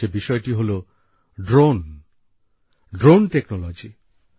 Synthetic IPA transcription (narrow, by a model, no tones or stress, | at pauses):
ebiʃɔeʈiɦolo | ɖɾon | ɖɾonʈeknolod͡ʑi